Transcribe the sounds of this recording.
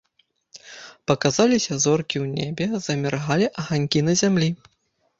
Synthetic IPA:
pɐkazalʲisʲɐzɔrkʲiwnʲebʲɛz̥ɐmʲɛrɣalʲiʔɐɣanʲkʲinɐzʲamlʲi

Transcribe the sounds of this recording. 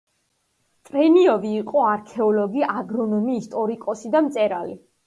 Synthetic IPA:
t̪ʼɾɛniɔviːqʼɔaɾkʰɛɔlɔɡiaɡɾɔnɔmiːst̪ʼɔɾikʼɔsid̪amt̪sʼɛɾali

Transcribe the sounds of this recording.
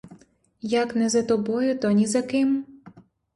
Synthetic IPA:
jaknɛzɐt̪ɔbɔjʊt̪ɔnʲizɐkɪm

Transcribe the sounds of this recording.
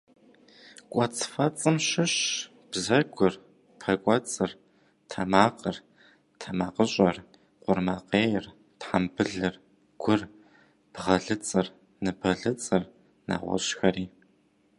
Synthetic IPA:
kʷʼɔt͡sʼfɐt͡sʼɨmɕɪɕ | b̥zɐɡʷʊr | pʰɐkʷʼɔt͡sʼɨr | tʰɐmaːqʼər | tʰɐmaːqəɕʼɐr | qʷʊrmaqeːjɪr | tħambɨɮɨr | ɡ̥ʷʊr | b̥ʁɐɮɨt͡sʼɨr | nɨbɐɮɨt͡sʼɨr | na̰ːʁʷɔ̰ɕxɐɾiː

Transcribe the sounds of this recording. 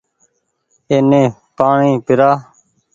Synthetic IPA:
eːnẽːpaːɳĩːpɪɾaː

